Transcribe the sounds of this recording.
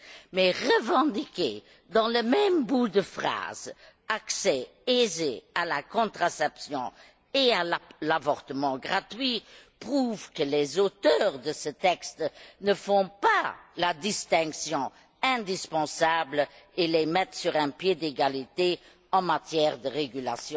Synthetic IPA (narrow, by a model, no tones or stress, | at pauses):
mɛʁəvɑ̃d̪ikḛ | d̪ɑ̃ləmɛmbud̪əfχa̰ːz | aksɛ | ezḛalakɔ̃t̪χasɛpsjɔ̃ | eallavɔʁt̪əmɑ̃ɡʁat̪ɥipʁuvkəlezot̪œːʁd̪əsət̪ɛkst̪nəfɔ̃palad̪ist̪ɛ̃ksjɔ̃ | ɛ̃d̪ispɑ̃sablelemɛt̪syʁɛ̃pjed̪eɡalit̪e | ɑ̃mat̪jɛːʁd̪əʁeɡyla̰sjɔ̃